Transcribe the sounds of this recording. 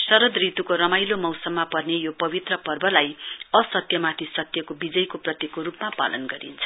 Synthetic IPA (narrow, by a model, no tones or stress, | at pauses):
sʌɾʌd̪rit̪ukoɾʌmajlomʌwsʌmːapʌrnejopʌbit̪rʌpʌrbʌlajʌsʌt̪jʌmat̪ʰisʌt̪jʌkobid͡zʌjkoprʌt̪jikoɾupmapa̰lʌ̰nɡʌɾḭnt͡sʰʌ̥